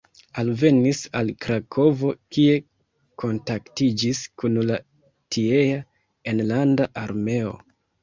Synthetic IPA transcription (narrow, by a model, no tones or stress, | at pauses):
alve̞nisalkɾakʰo̞vo̞kie̞ | ko̞ntaktid͡ʒiskunla | tiea | enlandaʔaɾme̞o̞̰